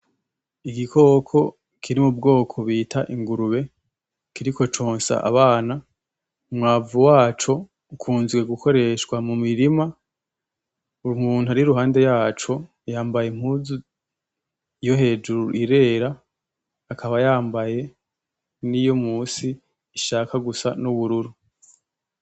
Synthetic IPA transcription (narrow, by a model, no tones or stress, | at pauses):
iɡikʰo̞ːkʰo̞ | kʰiɾimubɡo̞ːkʰo̞βiːtʰaʔiŋɡuɾuβe̞ | kiɾiko̞t͡ʃoːnsa̰ʔa̰βaːna | umŋaːvuwaːt͡ʃo̞ | ukʰuːnzɡwe̞ɡuko̞ɾe̞ʃkwamumiɾima | umuːn̥uaɾiɾuɦaːnde̞jaːt͡ʃo̞ | jaːmbajem̥huːzu | jo̞ɦe̞ːd͡ʒuɾuʔiɾe̞ːɾaː | kʰaβajaːmbaje̞ | nijo̞muːsiː | ʃaːkaɡusanuβuɾuɾu